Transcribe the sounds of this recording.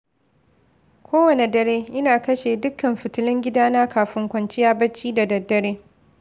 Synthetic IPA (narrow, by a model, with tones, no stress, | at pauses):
kʷoː˦wɐ˨ne˨dɐ˨ɾeː˦ʔɪ˦naː˨kɐ˦ʃeː˨dʊ˦kːɐ˨mɸɪ˨tʊ˦lɪ˦ŋɡʲɪ˦daː˦naː˦kʰaː˨ɸɪ˦ŋkʷɐ˨nt͡ʃɪ˦jaː˦bɐ˦t͡ʃːiː˦da˨dɐ˨dːɐ˦ɽeː˦